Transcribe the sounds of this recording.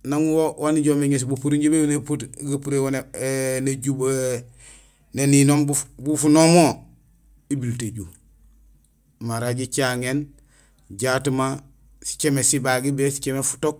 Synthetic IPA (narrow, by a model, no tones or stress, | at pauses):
naŋuwowaniɟomeɲes̬bupuɾiɲɟibewneputɡapuɾewoneneɟub | neninombubufunomo | ibilteɟu | maɾaɟit͡ʃaŋen | ɟaːtuma | si̥t͡ʃemesibaɡibesi̥t͡ʃemefu̥tok̚